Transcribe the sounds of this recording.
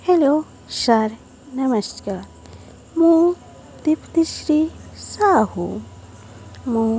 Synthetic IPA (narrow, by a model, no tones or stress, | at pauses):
helo | ʃaɾ | nɐmɐskaːɾ | mũ | d̪ipt̪iʃɾisaːhṵ | mũ